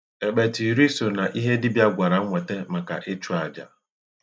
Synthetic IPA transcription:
e˨ɓe˨ti˨ɾi˦so˨na˨ʔi˦ɦe˦dɪ˦bja˦ɡʷa˨ɾa˨ŋ̩˦ŋʷe˨te˦ma˨ka̰˨ʔɪ˦t͡ʃu˦a˨d͡ʒa̰˨

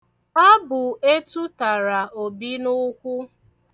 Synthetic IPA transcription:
ɔ˦bʊ˨e˦tu˦ta˨ɾa˨o˨bi˦nʊ˦kʷʊ˦

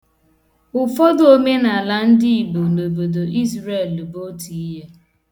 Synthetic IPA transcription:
ʊ˨fɔ˦do˦me˦na˨a˨la˦n̩˦dɪ˦i˨bo˨no˨bo˨do˨ʔi˦zɾe˦˨lbo˦ti˨i˦ɦe˦

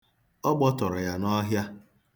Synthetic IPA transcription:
ɔ˦ɡ͡bɔ˦tɔ˨ɾɔ˨ja˨nɔ˦ɦja˦

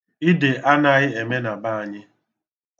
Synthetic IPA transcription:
i˦de˨ʔa˦na˨ɣɪ˦e˨me˦na˨ba˦a˨ɲɪ˦

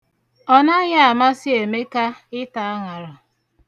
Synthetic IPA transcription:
ɔ˦na˦ɲa˦a˨ma˦sɪ˦e˨me˦ka˦ɪ˦ta˨a˦ŋa˨ɾɔ˨

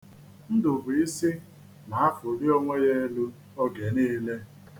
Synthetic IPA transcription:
n̩˦dʊ˨bʊ˨i˦si˦ | ma˨a˦fʊ˨ɾi˦ɔ˦ŋʷe˦je˦lu˦ | ɔ˦ɡe˨niː˦le˦

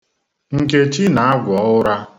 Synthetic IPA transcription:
ŋ̩˨ke˨t͡ʃi˦na˨a˦ɡʷɔ˨ʊ˦ɾa˦

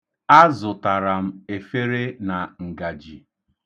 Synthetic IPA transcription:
a˦zʊ˨ta˨ɾa˨m̩˦e˨fe˦ɾe˦na˨ŋ̩˨ɡa˨d͡ʒi˨

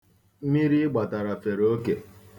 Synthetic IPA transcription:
mi˦ɾi˦ɡ͡ba˨ta˨ɾa˨fe˨ɾo˦ke˨

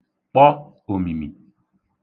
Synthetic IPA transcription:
k͡pɔ˦ | o˨mi˨mḭ˨

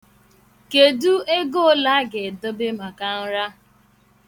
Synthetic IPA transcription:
ke˨du˦e˦ɡo˦la˦ɡe˨do˦be˦ma˨ka˦n̩˦ɾa˦

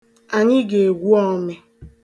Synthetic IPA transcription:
a˨ɲɪ˦ɡe˨e˨ɡʷu˦ɔ˦me˨

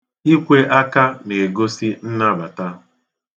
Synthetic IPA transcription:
i˦kʷe˦ʔa˦ka˦ne˨ɡo˦si˦n̩˦na˦˨ba˨ta˦

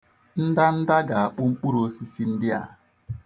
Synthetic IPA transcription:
n̩˦da˦n̩˦da˦ɡa˨a˨k͡pʊ˦ŋ͡m̩˦k͡pu˦ɾo˦si˦si˦n̩˦dɪ˦a̰˨

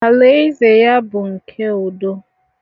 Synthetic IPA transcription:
a˨le˦i˦ze˨ja˦bʊ˨ŋ̩˨kʰe˦o˨do˦

